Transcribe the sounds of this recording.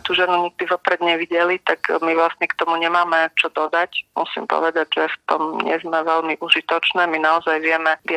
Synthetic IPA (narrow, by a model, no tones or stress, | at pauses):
t̪uːʒɛnuɲiɡ̚d̪iʋɔpɾɛd̪ɲɛʋiɟɛlit̪akmiʋlast̪ɲɛkt̪ɔmuɲɛmaːmɛt͡ʃɔd̪ɔd̪acmṵsḭːmpɔ̰ʋɛd̪aɟʒɛft̪ɔmɲɛ̰zmɛʋɛlmiʔuʒit̪ɔt͡ʃnɛːminaɔzajʋɪɛmɛʋɪa